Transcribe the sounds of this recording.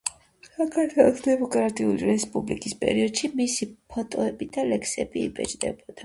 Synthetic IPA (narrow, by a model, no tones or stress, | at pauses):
sakʰaɾt̪ʰwɛlˠɔsd̪ɛmɔkʼɾat̪ʼiuliɾɛspʼublikʼispʼɛ̰ɾiɔd̪̥ʃimisipʰɔt̪ʼɔɛbid̪alɛkʰsɛbḭːbɛ̰d͡ʒd̪ɛ̰bɔd̪̥a